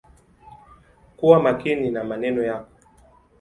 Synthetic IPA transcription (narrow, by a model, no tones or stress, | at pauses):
kuwamakininamanɛnɔjakɔ̥